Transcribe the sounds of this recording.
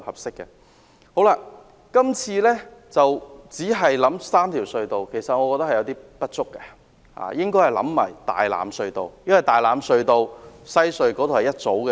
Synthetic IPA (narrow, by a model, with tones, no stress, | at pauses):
hɐ˨p̚sɪ˥kːɛ˧ | ho˨˥wlaː˧ | kɐ˥mt͡sʰiː˧lɛː˥t͡sɐ˨wt͡siː˨˥ɦɐ˨jlɐ˨˥msaː˥mt̪ʰiː˨˩wsɵ˧ɥt̪o˨wkʰe˨˩jsɐ˨t̚ŋɔ˨˧kɔ˧t̪ɐ˥khɐ˨jɐ˨˧wt̪iː˥pɐ˥t̚t͡sʊ˥kːɛ˧ | ha̰ː˨˧jɪ˥ŋkɔː˥hɐ˨˩jlɐ̰˨˥mmaː˨˩jt̪a̰ː˨jla̰ː˨˧msɵ˧ɥt̪o˨˧wjɐ˥nwɐ˨jt̪aː˨jlaː˨˧msɵ˧ɥt̪o˧wsɐ˥jsɵ˧ɥkɔ˨˥t̪o˨hɐ˨jɐ˥t̚t͡so˨˥wkɛ˧